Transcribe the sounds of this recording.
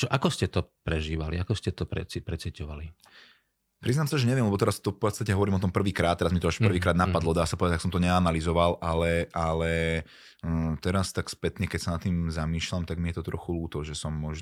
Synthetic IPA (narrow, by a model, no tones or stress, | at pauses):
t͡ʃɔʔakɔscɛt̪ɔpɾɛʒiːʋaliakɔscɛt̪ɔpɾɛ̰t͡sipɾɛt͡sicɔʋa̰li | pɾiznaːmsaʒɛɲɛʋɪɛmlɛbɔt̪ɛɾast̪ɔfpɔt̪st̪acɛɦɔʋɔɾiːmɔt̪̬ɔmpr̩ʋiːkɾaːt̪ːɛɾazmit̪ɔaʃpr̩ʋiːkɾaːd̪napad̪lˠɔd̪aːsapɔʋɛdaksɔmt̪ɔɲɛanalizɔʋalʔalɛʔalɛ | t̪ɛɾast̪akspɛt̪ɲɛkɛcsanat̪ːiːmzamiːʃlamt̪aɡmijɛt̪ɔt̪ɾɔxuluːt̪ɔʒɛsɔmːɔʒ